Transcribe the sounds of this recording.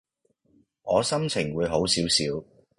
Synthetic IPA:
ŋɔː˨˧sɐ˥mt͡sʰɪ˨˩ŋwuː˨˧jɦo˨˥wsiː˨˥wsiː˨˥w

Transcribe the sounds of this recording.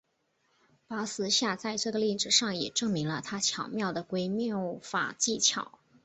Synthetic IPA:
pa˧˥sɹ̩˧˥ɕja˥˧t͡sa˥˧ɪt͡swe˥˧ɡə˧li˥˩ʈ͡ʂɻ̩˨˩ʂɑ˥˩ŋjɛ̰˨˩ʈ͡ʂɤ˥˩ŋmi˧˥ŋlə˧t̪ʰa˥t͡ɕʰjɑ˨˩ʊmjɑ˥˩ʊd̪ə˩kwe˧˥ɪmjɑ˥˩ʊfa̰˨˩t͡ɕi˥˩t͡ɕʰjɑ˨˩˦ʊ

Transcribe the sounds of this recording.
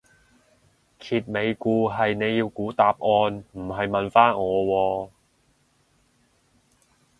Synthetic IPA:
kʰiː˨t̚me˨˧jkuː˧ɦɐ˨jne˨˧jːiː˧wkuː˨˥t̪aː˨p̚ʔɔː˧nm̩˨˩ɦɐ˨jmɐ˨nfaː˥ŋɔː˨˧wɔː˧

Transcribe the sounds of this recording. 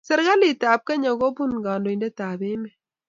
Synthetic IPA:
sɛ˦˨ɾɡa˦li˦taː˨p̚ka˦ɲa˨ɡo˦bu˦nɡaː˨ndo˨i˨ndɛ˦taː˨ðe˦mɛ˦

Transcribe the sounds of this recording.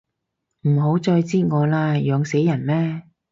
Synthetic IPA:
m̩˨˩ɦo˨˥wt͡ʃɔː˧jt͡siː˥ŋɔː˨˧laː˧jœː˨˧ŋse˨˥jːɐ˨˩nmɛː˥

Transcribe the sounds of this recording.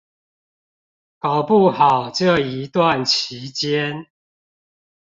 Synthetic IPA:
ka˨˩ʊpu˥˨hɑ˨˩ʊʈ͡ʂɤ˥˨i˨˦t̪wa˥˨nt͡ɕʰi˨˦t͡ɕjɛ˦n

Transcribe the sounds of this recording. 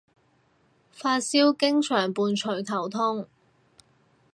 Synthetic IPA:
faː˧t̚siː˥wkɪ˥ŋt͡ʃʰœː˨˩ŋpuː˨˧nt͡ʃʰɵ˨˩ɥt̪ʰɐ˨˩wt̪ʰʊ˥ŋ

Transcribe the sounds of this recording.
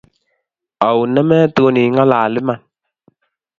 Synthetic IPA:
a˨wnɛ˦mɛ˦to˦ni˨ŋa˦laː˨lɪ˦ma˨n

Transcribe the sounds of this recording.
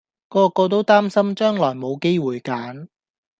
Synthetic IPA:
kɔː˧kɔː˧t̪̬o˥wt̪aː˥msɐ˥mt͡ʃœː˥ŋlɔː˨˩jmo˨˧wke˥jwuː˨jkaː˨˥n

